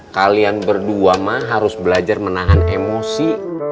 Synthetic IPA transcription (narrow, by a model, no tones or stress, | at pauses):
kalianbərduamaɦaɾʊsbəlad͡ʒarmənaɦanemosi